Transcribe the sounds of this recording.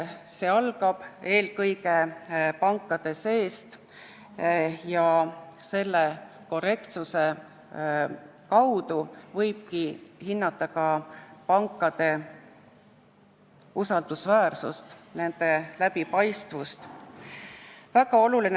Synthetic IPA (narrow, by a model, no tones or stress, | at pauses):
se̞ːɑlɡ̥ɑb̥e̞ːlkɤjɡe̞pɑŋkːˑɑd̪̥e̞se̞ːst̪ | jɑse̞lːe | ko̞re̞kt̪suse̞ | kɑwd̪uvɤjb̥̚kihinːɑt̪ˑːɑkɑpɑŋkːˑɑd̪̥e̞ | usɑld̪̥usvæːrsṵst̪ne̞nd̪̥e̞læbipɑjst̪vust̪ | væɡɑo̞lulin